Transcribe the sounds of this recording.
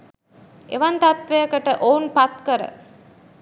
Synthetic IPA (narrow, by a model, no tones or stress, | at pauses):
ʔḛʋɐnt̪ɐt̪ʋejəkəʈəʔoːnpat̪kəɾə̰